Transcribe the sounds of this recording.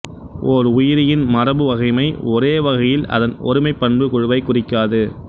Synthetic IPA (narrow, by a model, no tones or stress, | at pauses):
ʔɔːɾʊjɪɾɪjɪnmɐrɐbɯʋɐɣɐɪmɐɪɔɾeːʋɐɣɐjɪlɐ̰ðɐnɔ̰ɾɯmɐɪpːɐɳbɯkɔɻɯʋɐɪkːʊrɪkːaːðɯ